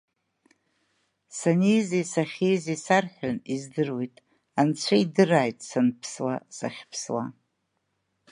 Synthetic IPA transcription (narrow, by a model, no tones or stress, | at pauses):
sanijzisaχʲijzisarħᶣanizdɨrwejtʼ | ant͡ɕʷʰaidɨraːjtʼsanpʰswa̰saχʲpʰswa